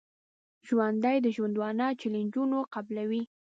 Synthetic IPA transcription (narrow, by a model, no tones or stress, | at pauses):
ʒwand̪ajd̪əʒwand̪wɑnɑt͡ʃelɪnd͡ʒunoqablawi